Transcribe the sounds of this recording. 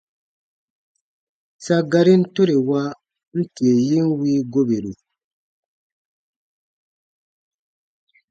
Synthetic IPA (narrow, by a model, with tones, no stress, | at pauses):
sa˦ɡa˨ɾi˦n̩˦to˦ɾe˨wa˦ | n̩˦ti˨e˨ji˦nwiː˦ɡo˦be˨ɾu˨